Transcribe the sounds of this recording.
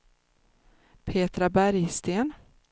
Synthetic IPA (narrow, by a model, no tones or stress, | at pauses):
pʰeːt̪ɾabæɾjst̪eːn